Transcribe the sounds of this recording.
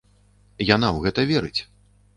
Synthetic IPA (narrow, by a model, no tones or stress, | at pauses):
janawɣɛt̪ɐvʲɛɾɨt͡sʲ